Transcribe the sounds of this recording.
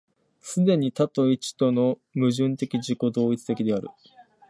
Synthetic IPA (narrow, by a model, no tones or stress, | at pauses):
sɨd̪e̞ɲ̟it̪at̪o̞it͡ɕi̥t̪o̞no̞ | mɯ̟ʑɨ̃nt̪e̞kʲiʑiko̞d̪o̞ːit͡sɨ̥t̪e̞kʲid̪e̞aɾɯ̟̰